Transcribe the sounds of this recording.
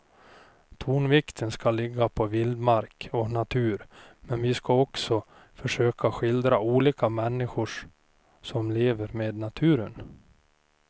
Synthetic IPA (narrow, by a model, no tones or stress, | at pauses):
t̪ʰuːnvɪkt̪ʰənskalɪɡːapʰɔvɪld̪maɾkɔnat̪ʰʉ̟ːɾmɛnvɪskaɔksɔ | fœʂøːkʰaɧɪld̪ɾauːliːkamɛnːɪɧʊʂ | sɔmleːvəɾmeːd̪nat̪ʰʉ̟ːɾən